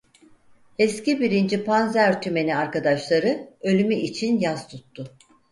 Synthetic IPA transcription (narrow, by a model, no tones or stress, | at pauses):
escibiɾind͡ʒipʰanzæɾɾt̪ʰyme̞niaɾkad̪aʃlˠaɾɯø̞lʲymyʔit͡ʃʰinjaz̥t̪ʰut̪ːʊ